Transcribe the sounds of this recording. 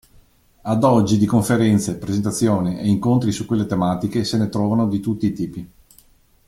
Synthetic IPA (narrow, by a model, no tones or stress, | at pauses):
ad̪ɔd͡ʒːid̪ikoɱfeɾɛnt̪sepɾezent̪at̪sːjoːniʔeiŋkont̪ɾisukwelːet̪emaːt̪ikesenet̪ɾɔːvanod̪it̪ut̪ːiːt̪iːpi